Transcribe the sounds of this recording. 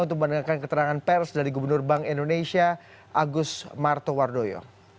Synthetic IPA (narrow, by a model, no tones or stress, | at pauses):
unt̪ʊk̚mənəŋakankət̪əɾaŋanpɛrsdaɾiɡubərnʊrbaŋindonesia | ʔaɡʊsmart̪ɔwardojo̰